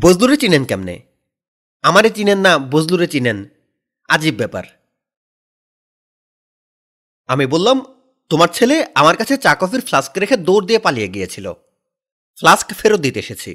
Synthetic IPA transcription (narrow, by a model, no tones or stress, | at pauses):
bod͡ʑluɾet͡ɕinenkɛmnḛ | amaɾet͡ɕinenːabozluɾet͡ɕinen | a̰d͡ʑibːɛpa̰ɾ | amibolːam | t̪omaɾt͡ɕʰeleamaɾkat͡ɕʰet͡ɕakɔfiɾflaskɾekʰed̪oɾd̪iepalijeɡijet͡ɕʰilo̰ | flaskfeɾod̪it̪eḛʃet͡ɕʰḭ